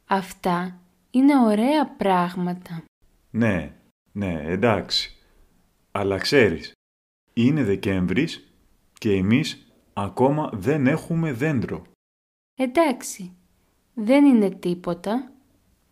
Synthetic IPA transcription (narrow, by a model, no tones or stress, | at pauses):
ɐft̪ɐ | ine̞o̞ɾe̞ɐpɾɐɣmɐt̪ɐ | ne̞ | ne̞end̪ɐksi̥ | ɐlɐkse̞ɾḭs | ine̞ðe̞ce̞ɱvɾis | ce̞ːmis | ɐko̞mɐðe̞ne̞xume̞ðe̞nd̪ɾo̞̰ | e̞nd̪ɐksi | ðe̞nine̞t̪ipo̞t̪ɐ